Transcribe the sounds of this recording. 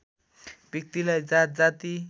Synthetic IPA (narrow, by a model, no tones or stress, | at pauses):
bjək̚t̪ilajd͡zat̪̚d͡zat̪i